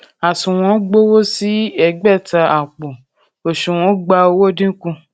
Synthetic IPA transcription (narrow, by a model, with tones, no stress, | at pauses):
a˨sũ˨w̃ɔ̃˨˦ɡ͡bo˦wo˦si˦ɛ˧ɡ͡bɛ˦˨ta˧a˨k͡po˨ | o˨ʃũ˨w̃ɔ̃˨˦ɡ͡ba˧o˧˦wo˦dĩ˦kũ˧